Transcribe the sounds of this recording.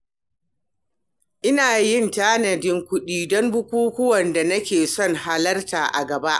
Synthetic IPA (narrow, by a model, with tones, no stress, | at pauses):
ʔɪ˦naː˨jɪ˦˨ntaː˦nɐ˨dɪ˦ŋkʷʊ˦ɗiː˦dɔ˦mbʊ˦kʷuː˦kʷʊ˦wɐ˨nda˨nɐ˦kʲeː˨sɔ˦˨ŋɦa˦lɐ˦rtaː˨ʔa̰˨ɡɐ˨ba˦ʔ